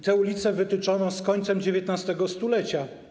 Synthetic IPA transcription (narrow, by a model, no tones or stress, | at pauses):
t̪ɛulʲit̪sɛvɘt̪ɘt͡ʂɔnɔ̃skɔɲt̪sɛmd͡ʑevʲjɛt̪nast̪ɛɡɔst̪ulɛt͡ɕa